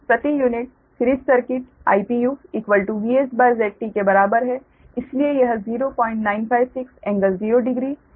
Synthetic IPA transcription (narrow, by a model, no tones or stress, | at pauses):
sɐʈijuːnɪʈ | kɾid͡ʒsɐɾkɪʈ | a̰ːipijuːɪkʋəlʈuʋiːesbɐɾzɛːk̚ʈikebɐɾaːbəɾɦɛ | ɪsliejɐɦəziːɾopɔ̃ːɪ̃ɳʈnaːɪnpʰaːɪʋsɪksɛ̃ːŋɡəlziːɾoɖɪɡɾiː